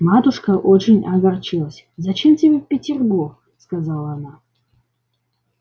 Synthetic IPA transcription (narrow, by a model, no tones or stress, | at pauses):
mat̪ʊʂkəʔot͡ɕɪnʲɐɡart͡ʃɨlˠəsʲ | zɐt͡ɕemtʲɪbʲefpʲɪtʲɪrburx | skazalˠəːna